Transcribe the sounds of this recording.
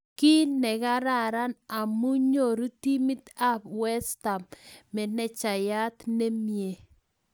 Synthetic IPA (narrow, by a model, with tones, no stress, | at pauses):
ki˦nɛ˨ɡa˦ɾa˦˨ɾa˦na˨mu˦ɲo˨ɾu˦t̪i˦mɪ˦t̪a˦bwɛ˦st̪a˨mmɛ˨nɛ˦t͡ʃa˨ja˦t̪ne˦mje˨